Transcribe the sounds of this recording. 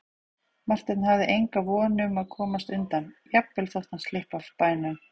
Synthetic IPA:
mar̥t̪ɪnnhavðɪʔejŋkavɔːnʏʏmaðkʰɔːmast̪ʏnt̪anjɛpvɪlθowht̪anst̪lɪhpafpaːjnʏm

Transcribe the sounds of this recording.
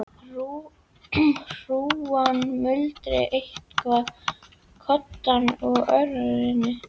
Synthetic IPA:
u | r̥uːanmʏlt̪ɾɪ̰ʔejht̪kʰva | kʰɔt̪ːanɔɣœɥɾaɾɪnːɪ

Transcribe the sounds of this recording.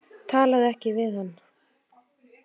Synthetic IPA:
t̪ʰaːlaðɛhcɪvɪðhanː

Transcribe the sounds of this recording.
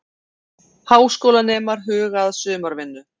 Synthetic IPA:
haːwskowlanɛːmaɾ̥ɦʏːɣaðsʏːmaɾvɪnːʏ

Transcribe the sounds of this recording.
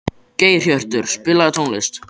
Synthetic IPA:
ceːjr̥jœr̥t̪ʏɾ̥spɪlːat̪ʰownlɪst̪

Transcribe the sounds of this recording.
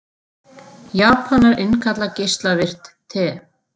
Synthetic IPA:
jaːpʰanaɾɪnkʰat̪lacejst̪lavɪr̥t̪ːʰɛ

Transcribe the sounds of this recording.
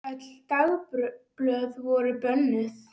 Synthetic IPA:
œt̪lt̪awpɾplœðvɔɾʏpœnːɪθ

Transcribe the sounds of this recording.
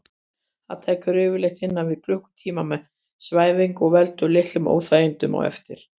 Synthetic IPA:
θa̰ðt̪ʰeːjcʏɾɪːvʏɪɾlejht̪ɪnːavɪðklʏhkʏ̥t̪ʰiːmamɛ | svaːjvɪŋkɔɣvɛlt̪ʏlɪht̪lʏmo̰ːwθajɪnt̪ʏmɔ̰ɣɛ̰ft̪ɪɾ̥

